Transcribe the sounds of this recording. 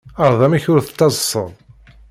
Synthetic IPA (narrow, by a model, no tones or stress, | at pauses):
ɑɾðˤæmiçʊɾθə̥t͡s̪ːɑzˤəsˤːə̰ðˤ